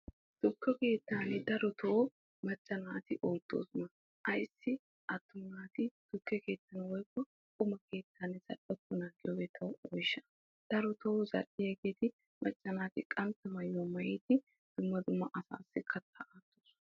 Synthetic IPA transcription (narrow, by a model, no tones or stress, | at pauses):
d̪̥ʊkːɔke̞ːt̪ːaːnɪd̪ɐɾɔt̪ʰɔʔo | mɐt͡ʃʼːɐnaːt̪ɪʔoːlt̪ʼːo̰ːsʊnɐ | ʔɐjsːɪ | ʔɐt̪ːʊnaːt̪ɪd̪̥ʊkːɛke̞ːt̪ːɐnɐwɔjkːɔ | kʼʊmɐke̞ːt̪ːaːnɪz̥ɐ̰ɗɔt̪ːʊnaːɡɪjɔwɛt̪ʰɐwɔjʃːɐ̥ | d̪̥ɐɾɔt̪ɔzɐ̰ɗːɪjɛɡeːt̪ɪ | mʔɐt͡ʃʼːɐnaːt̪ɪkʼɐnt̪ɐmɐjoːmɐjeːt̪ɪ | d̪̥ʊmːɐd̪ʊmːɐʔɐsa̰ːsːɪkʰɐt̪ːɐʔaːt̪ːoːs